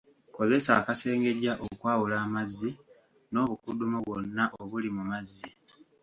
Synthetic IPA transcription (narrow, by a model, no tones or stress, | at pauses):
ko̞ze̞saːkase̞ːŋɡe̞ɟaʔokwaːwulaːmazːi | no̞ːβukudumoβo̞nːaʔoβulimumazːi